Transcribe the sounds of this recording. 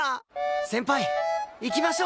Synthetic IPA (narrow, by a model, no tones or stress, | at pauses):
sẽ̞mpaiikʲimaɕoː